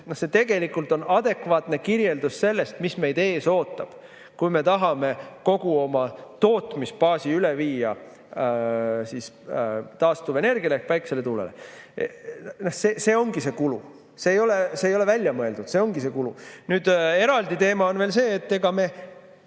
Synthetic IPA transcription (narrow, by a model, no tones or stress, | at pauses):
nohse̞t̪e̞ɡe̞likːˑult̪ːˑo̞nɑd̪̥e̞kvɑːt̪ne̞kiɾje̞ld̪usse̞lːe̞st̪misme̞jd̪e̞ːso̞ːt̪ːˑɑb̥ | kujme̞t̪ɑɦɑme̞ko̞ɡ̥uo̞mɑt̪o̞ːt̪ˑmispɑːsiyleviːjɑ | siːst̪ɑːst̪uvene̞rɡ̥iɑlehkvɑjkse̞le̞t̪uːlḛlḛ | nohseːse̞ːo̞ŋɡ̥ise̞kulṵ | seːjo̞lese̞ːjo̞le̞vælʲjɑmɤeld̪̥ud̪̥se̞oŋɡ̥ise̞kulṵnyːd̪e̞ɾɑld̪it̪e̞ːmɑo̞nve̞ːlse̞ːt̪ːe̞ɡ̥ɑme̞